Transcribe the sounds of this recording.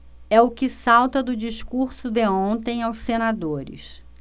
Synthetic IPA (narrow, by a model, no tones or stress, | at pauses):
ɛʊkɪsawt̪ɐd̪ʊd͡ʒiʃkuɾsʊd̪eõnt̪ẽj̃awssenad̪oɾɪ̰s